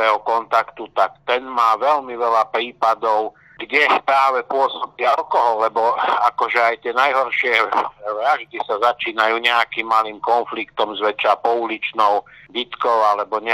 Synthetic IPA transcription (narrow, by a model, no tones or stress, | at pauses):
ɛːɦɔkɔnt̪akt̪ut̪akt̪ɛnmaːʋɛʎmiʋɛlapɾiːpad̪ɔʊ | ɡɟɛpɾaːʋɛpʊɔsɔbialkɔɦɔlːɛbɔakɔʒɛajt̪ɪɛnajɦɔɾʃɪɛʋɾaʒd̪isazat͡ʃiːnajuːɲɛakiːmːaliːmkɔnflikt̪ɔmzʋɛt͡ʃapɔulit͡ʃnɔʊbit̪kɔʊalɛbɔɲɛ